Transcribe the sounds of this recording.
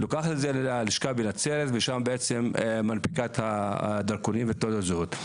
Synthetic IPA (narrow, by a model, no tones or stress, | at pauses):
lokaχat̪ezelaliʃkabenat͡seɾet̪veʃambeʔet͡semmanpi̥kat̪had̪aʁkonimvet̪od̪azhut̪